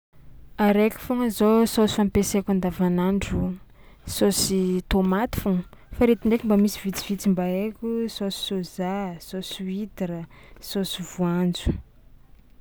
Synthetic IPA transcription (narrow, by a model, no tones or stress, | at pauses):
aɾekʲu̥foŋəzososampesekʲand̪avanaɳɖ͡ʐu | sosit̪omat̪i̥foŋ | faɾet̪iɳɖ͡ʐekʲimbamisivit͡siv̥it͡simbaekʲusosi̥sozasosuit̪iɾə | sosuvuand͡zu̥